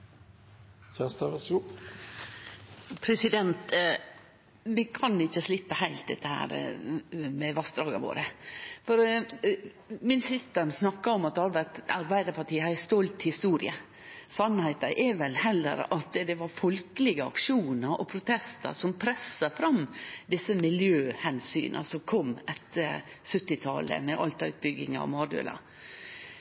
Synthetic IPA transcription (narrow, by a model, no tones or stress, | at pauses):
çæːst̪ɑʋəsu | pʰɾɛsɪd̪ɛnt̪ | ʋɪkʰɑnɪçːəslɪpːəhæɪlt̪̚d̪ɛt̪ːəhæ̰ːɾ | mɛʋɑst̪d̪ɾɑːɡɑ̰ʋo̰ːɾəfɔɾ | mɪnsɪst̪əɾnsnɑkːɑɔmɑt̪d̪ɛhɑɾʋæɾt̪ɑɾbæɪd̪əpʰɑʈiːəhɑst̪ɔlt̪hɪst̪uːɾɪ̰ə | sɑnhæɪt̪ɑʔɛɾʋɛlhɛlːə̰ɾɑt̪d̪ɛʋɑɾfɔlkəlɪɡəɑ̰kʂuːnəɾʔɔpʰɾʊt̪ʰɛst̪ə̰ɾsɔmpʰɾɛsːəfɾɑmd̪ɪsːəmɪljøːhɛnsy̰ːnʔə̰sɔmkʰɔmːɛt̪ːəɾ | sʉt̪ːɪt̪ʰɑ̰ːlə̰mɛʔɑlt̪ɑʉt̪̚bʏɡɪŋɑ̰mɑːd̪ø̰ːlɑ̰